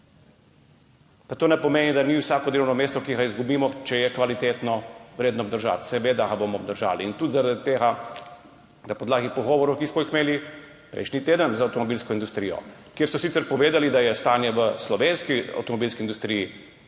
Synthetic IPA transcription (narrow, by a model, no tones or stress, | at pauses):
pat̪oːnɛpɔmeːnid̪aniwsaːkɔd̪elɛwnɔmeːst̪ɔkiɣaizɡubiːmɔt͡ʃɛjɛkʋalit̪et̪nɔʋɾeːd̪nɔbd̪əɾʒa̰t̪sɛʋeːd̪aɣabomɔːbd̪əɾʒa̰ːliːnt̪ud̪zaɾad̪it̪eːɣa | d̪apɔd̪laːɡipɔɣɔːʋɔɾɔwkismɔixmeːli | pɾɛ̰jʃnit̪eːd̪ənzaːwt̪ɔmɔbilskɔind̪ust̪ɾijɔ̰kjeɾsɔsit̪sɛɾpɔʋeːd̪alid̪ajɛst̪aːnjɛʋəslɔʋeːnskia̰wt̪ɔmɔbilskind̪ust̪ɾiji